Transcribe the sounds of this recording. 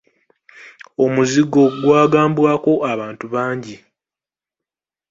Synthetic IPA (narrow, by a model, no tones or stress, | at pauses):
o̞muziɡo̞ɡwaːɡaːmbwaːko̞ʔaβaːntuβaːɲɟi